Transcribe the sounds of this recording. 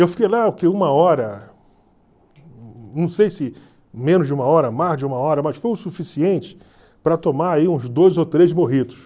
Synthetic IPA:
ewfikejlaʊkeũmɐɔɾɐ | nɐ̃w̃sejsɪ | mẽnʊzd͡ʒɪũmɐɔɾɐmazd͡ʒɪũmɐɔɾɐmɐsfojʊsufisiẽnt͡ʃɪ̥ | pɾɐt̪omaaiũzd̪ojzot̪ɾezmoɦid̪ʊs

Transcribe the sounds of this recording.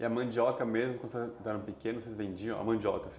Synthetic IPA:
ɪɐmɐ̃j̃d͡ʒiɔkɐmezmʊkwɐ̃d̪sezd̪ɛɾɐ̃pikẽnʊsezvẽd͡ʒiɐ̃w̃ɐ̰mɐ̃j̃d͡ʒiɔkɐsĩ

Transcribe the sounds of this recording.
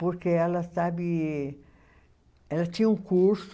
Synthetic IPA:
poɾkeɛlɐsabi | ɛlɐt̪ĩɲũkuɾs

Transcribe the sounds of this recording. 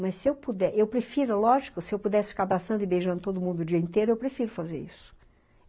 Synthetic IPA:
mɐsɪewpud̪ɛʔewpɾefiɾʊlɔʒikʊsɪewpud̪ɛsɪfi̥kaabɾasɐ̃nd̪ʊibejʒɐ̃nd̪ʊt̪od̪ʊmũnd̪ʊʊd͡ʒiɐẽnt̪ejɾʊewpɾefiɾʊfazeɾḭsʊ̥

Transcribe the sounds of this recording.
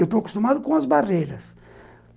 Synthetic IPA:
ewt̪oɐku̥st̪umad̪ʊkõɐzbaʁejɾɐs

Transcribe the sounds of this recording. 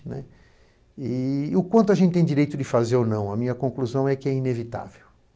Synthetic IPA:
nɛ | iʊkwɐ̃nt̪ʊaɐʒẽnt̪ɪt̪ẽj̃d͡ʒiɾejt̪ʊd͡ʒɪfazeɾonɐ̃w̃ɐmĩɲɐkõkluzɐ̃w̃ɛkɪɛinevit̪a̰vew

